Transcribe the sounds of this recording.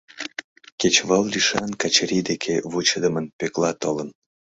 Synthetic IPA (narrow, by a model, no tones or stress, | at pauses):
ket͡ɕβəllʲiʃɑnkɑt͡ɕɾʲid̪ekʰeβut͡ɕəd̪əmənpeklɑt̪olən